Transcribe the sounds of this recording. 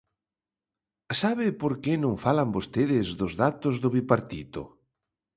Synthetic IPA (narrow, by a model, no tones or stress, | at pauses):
saβɪpoɾkenõŋfalambost̪eðɪzðʊzðat̪ozðʊβipaɾt̪it̪o̰